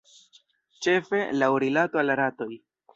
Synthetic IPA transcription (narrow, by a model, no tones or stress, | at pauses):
t͡ʃe̞fe̞lawɾilato̞alaɾato̞j